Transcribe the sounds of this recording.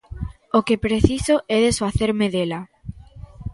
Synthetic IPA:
okepɾeθisoʔɛðesfaθeɾmeðela

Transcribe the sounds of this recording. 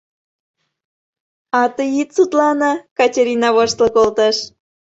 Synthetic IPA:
ɑt̪əjit̪sut̪lɑnɑkɑtʲeɾʲinɑβoʃt̪lˠɤkolt̪ɑʃ

